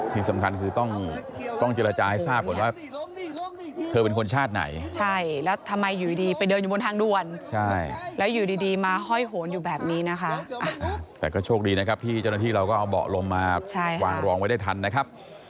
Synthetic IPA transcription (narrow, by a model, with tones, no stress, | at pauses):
t̪ʰi˨˧˩sa˩˦mkʰa˧nkʰɯː˧t̪ɔ˥˩ŋt̪ɔ˥˩ŋt͡ɕeː˧la˧t͡ɕaː˧ha˥˩saː˥˩p̚kʰu˩˦waː˥˩ | t̪ʰɤː˧pe˧nkʰo˧nt͡ɕʰaː˥˩t̪̚na̰˩˦jt͡ɕʰa˥˩jlɛː˦˥wt̪ʰa˧mːa˧jːuː˨˩di˨˧diː˧pa˧jdɤː˧mju˨˩o˧nt̪ʰaː˧ŋdu˧˥˩ənt͡ɕʰa˥˩jlɛː˦˥wjuː˨˩diː˧diː˧maː˧ɦɔ˥˩jɦo˩˦njuː˨˩bɛː˨˩p̚niː˦˥na˦˥kʰa˦˥ʔʔa˧˩ʔa˨˩t̪ɛː˨˩kɔː˥˩t͡ɕʰoː˥˩k̚diː˧na˥kʰa˦˥p̚t̪ʰiː˥˩t͡ɕa˥˩wnaː˥t̪ʰiː˥˩ɾa˧wkɔː˥˩ʔa˧wbɔ̰ː˨˩k̚lo˧mːaː˧t͡ɕʰa˥˩jwaː˧ŋɾɔː˧ŋwa˦˥jda˥˩jt̪ʰa˧nːa˦˥kʰa˦˥p̚